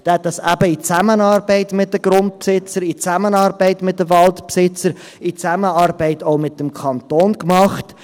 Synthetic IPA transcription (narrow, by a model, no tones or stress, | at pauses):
d̥ɛhɛt̪̚d̥ɑsæbəit͡sæmənɑːɾbɛɪtmɪt̚d̥əɡ̥ɾʊnt̚psɪt͡səɾit͡sæmənɑːɾbɛɪtmɪt̚dəvɑltpsɪt͡səɾ | it͡sæməɑːɾbɛɪtoʊmɪt̚d̥əmkʰɑnt̪oːnkmɑχt